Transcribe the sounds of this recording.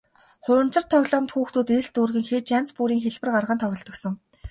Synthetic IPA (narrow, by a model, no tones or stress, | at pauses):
χʊːɘ̆nt͡sə̆rt̪ʰɔɣɮɔ̆ːmt̪xuːxt̪uːt̪eɮt̪urɣɘ̆ŋxeːt͡ɕan̥t͡spuɾiːŋxeɮpɘ̆rɢarʁə̆nt̪ʰɔɣʲɞ̆ɮt̪ɞ̆ksɞ̆ŋ